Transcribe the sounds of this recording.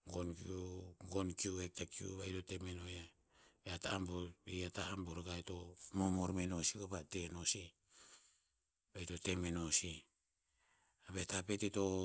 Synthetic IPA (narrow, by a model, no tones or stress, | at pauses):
ɡonkioɡonkiuek̚takiṵβajtotemenoja | eataːmbuiatahambuɾɡajtomomoɾmenosikopateno̞si | bajtote̞menosi | aβe̞tapetito